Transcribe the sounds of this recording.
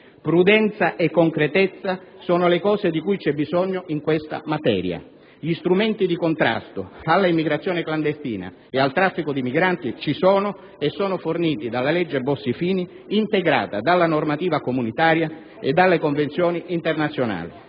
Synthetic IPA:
pɾud̪ɛnt̪saʔekːoŋkɾet̪et̪sːasɔːnʊlekɔːsed̪ikujt͡ʃɛbːizɔɲːʊʔiŋkwest̪a̰mat̪ɛ̰ːɾja̰ | ʎist̪ɾumɛnt̪id̪ikont̪ɾa̰st̪oalːaimːiɡɾat̪sːjɔːnekland̪est̪iːna̰ | ealt̪ɾafːikʊd̪imiɡɾant̪it͡ʃisɔːnʊ | esːɔːnʊforniːt̪id̪alːalɛd͡ʒːebːosːifiːniː | nt̪eɡɾa̰ːt̪ad̪alːanormat̪iːvakomunit̪aːɾja | ed̪ːalːekoɱvent̪sjɔːniʔint̪ernat̪sːjona̰ːli

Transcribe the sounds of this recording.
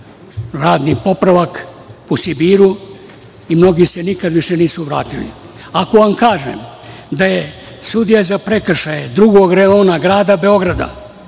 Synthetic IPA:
ɾaːd̪nipo̞pɾaʋak | posibiːɾu | imno̞ɡisenikad̪ʋiʃeniːsuʋɾa̰ːt̪ilḭ | ako̞ʋamkaːʒḛmd̪aje | sud̪ijazapɾe̞kr̩ʃajed̪ɾuɡo̞ɡɾao̞ːnaɡɾaːd̪abe̞o̞ɡɾad̪a̰

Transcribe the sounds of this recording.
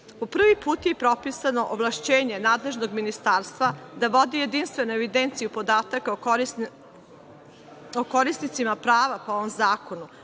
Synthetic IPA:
popr̩ʋipuːt̪jepɾo̞pisano̞ʔoʋlˠaʃt͡ɕeːɲe̞naːd̪le̞ʒno̞ɡminist̪aːɾst̪ʋad̪aʋo̞d̪ije̞d̪inst̪ʋe̞nueʋid̪ent̪sijupo̞d̪aːt̪akao | okoɾisnit̪simapɾaːʋapooʋomzaːko̞nu

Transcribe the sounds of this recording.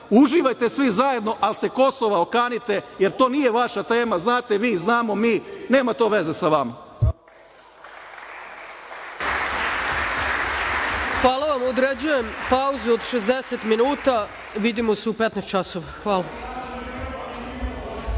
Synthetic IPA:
uʒiʋajt̪e̞sʋizaje̞d̪no̞ʔalse̞ko̞soʋaokaːnit̪e̞je̞ɾt̪o̞ːnije̞ʋaʃat̪e̞ːmaznaːt̪e̞ʋiːznaːmo̞miːne̞ːmat̪o̞ʋe̞ze̞saʋama | xʋaːlˠaʋamod̪ɾed͡ʑuje̞mpauzuod̪ʃezd̪eset̪minuːt̪a | ʋid̪imo̞seupet̪nest̪t͡ʃasoʋaxʋaːla

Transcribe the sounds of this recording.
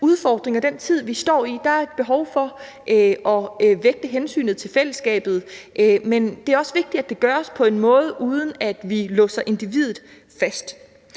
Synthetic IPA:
uð̞ˠfɒːd̥ʁeŋɐd̥ent͡sʰið̞̰ˠʋisd̥ɒ̰ːid̥ɑ̈æɐe̝d̥̚b̥e̝ɦɒʊfɒ̽ | ʔɒ̽ʋeɡ̥̚d̥əɦensy̰ːnð̩ˠt͡sʰe̝lfel̰əsɡ̥ɛ̰ːb̥ð̞̩ˠʔmend̥e̝æɐɒ̽səʋe̝ɡ̥̚d̥iæd̥e̝ɡ̥ɶɐɒspʰɒ̽e̝nmɔ̽ːð̞ˠəʔuːð̞ˠən̩æd̥ʋilɔ̽sɐʔe̝nd̥iʋið̞ˠð̩ˠ | fæsd̥

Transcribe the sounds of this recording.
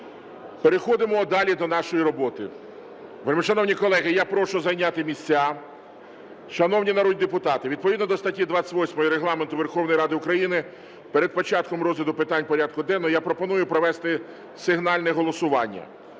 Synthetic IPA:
peɾexɔd̪ɪmɔd̪ɑlʲid̪ɔnɑʃɔjiɾɔbɔt̪ɪ̰ | ʋelʲmɪʃɐnɔwnʲikɔlˠɛɦɪjapɾɔʃʊzɐjnʲat̪ɪmʲisʲt͡sʲa | ʃɐnɔwnʲinɐɾɔd̪ʲd̪epʊt̪ɑt̪ɪʋʲid̪pɔʋʲid̪nɔd̪ɔst̪ɐtʲid̪ʋɑt͡sʲɪ̥tʲʋɔsʲmɔjɔɾeɦlˠɑment̪ʊʋerxɔwnɔjɾɑd̪ɪʊkɾɐjinɪ | peɾed̪̚pɔt͡ʃɑt̪̚kɔmɾɔzʲʋʲid̪ʊpɪt̪ɑnʲpɔɾʲad̪̚kʊd̪ɛnːɔjapɾɔpɔnujʊpɾɔʋɛst̪ɪ | sɪɦnɑlʲnɛɦɔlˠɔsʊʋɑ̰nʲːɐ̰

